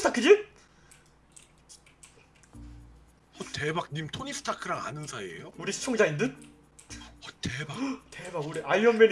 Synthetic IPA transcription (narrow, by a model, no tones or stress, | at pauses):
ɯtʰakʰːɯd͡ʑi | ʌtebak̚nimtʰoɲisʰɯ̥tʰakʰɯɾaŋa̰nɯnsʰaiḛjouɾisʰɯ̥t͡ɕʰoŋd͡ʑaindɯn | ʌtebate̞baɡuɾiʔajʌmːen